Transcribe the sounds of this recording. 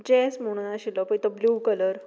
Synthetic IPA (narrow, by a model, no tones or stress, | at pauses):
d͡ʑɛsmoɽ̃naɕilɔpət̪əbluːkələɾ